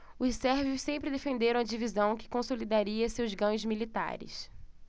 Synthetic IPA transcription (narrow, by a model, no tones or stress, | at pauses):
ʊʃsɛɾvjʊssẽmpɾɪd̪efẽnd̪eɾɐ̃w̃ɐd͡ʒivizɐ̃w̃kɪ̥kõsolid̪aɾiɐsewzɡɐ̃ɲʊzmilit̪a̰ɾɪ̰s